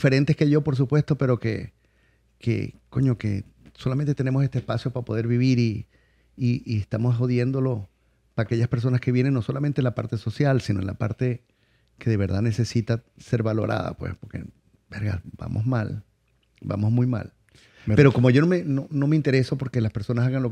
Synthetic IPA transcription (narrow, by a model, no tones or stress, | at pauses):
fe̞ɾe̞nt̪e̞skeʝo̞po̞ɾs̬upwest̪o̞pe̞ɾo̞kḛ | kḛko̞̰ɲo̞ke̞̰ | so̞lame̞nt̪et̪ene̞mose̞st̪espasjo̞paɾapoð̞e̞ɾβiβiɾiː | iest̪amo̞so̞ðje̞nd̪o̞lo̞ | paaːke̞ʝaspeɾs̬onaskeβje̞ne̞ŋno̞so̞lament̪enlapa̰ɾt̪e̞so̞sjalsino̞enla̰pa̰ɾt̪e̞ | ke̞ðe̞β̞e̞ɾðanese̞sit̪ase̞ɾβalo̞̰ɾʔa̰ða̰pwḛspo̞ɾke̞̰ | beɾɣa̰ba̰mʔo̞̰zma̰l | ba̰mo̞zmujma̰l | pe̞ɾo̞ko̞moʝo̞nomenono̞meint̪e̞ɾe̞so̞po̞ɾke̞laspe̞ɾso̞nasaɣanlo